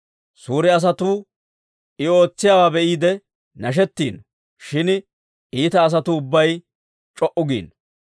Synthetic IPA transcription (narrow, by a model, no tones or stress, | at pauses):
suːɾɛɐs̬ɐt̪uː | ɪo̞ːt͡sːɪjaːwaːbɛʔiːd̪ɛ | nɐʃ̬ɛt̪ːiːn | ʃɪn | iːt̪ɐːs̬ɐt̪uʊbːɐj | t͡ʃʼɔʔʊɡḭːn